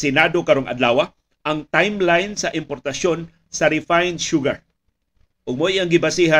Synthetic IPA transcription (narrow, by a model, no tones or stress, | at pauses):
sɪnad̪okɐɾoŋʔɐ̰d̪laːwa | ʔɐŋt̪ajmlajnsɐʔɪmpoɾt̪ɐson | sɐɾɪfajnʃuɡaɹ | ʔʊɡ̚mojʔaŋɡɪbasiɦa